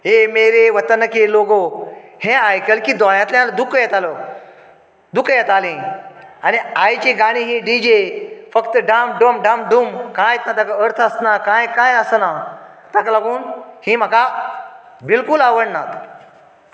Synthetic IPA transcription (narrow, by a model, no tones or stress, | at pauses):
ɦemeɾeʋət̪ənəkeloɡohẽajkəlkiːd̪ɔɭjãt̪ljãld̪ukjet̪alɔ | d̪ukjet̪alĩaniajt͡ɕiɡaɽ̃ĩɦĩɖid͡ʑefəkt̪əɖamɖəmɖãmɖumkãjt̪nat̪akaəɾt̪ʰəəsnakãjkãjəsna | t̪akalaɡuːnhĩːm̤aka | bilkulaʋəɽnat̪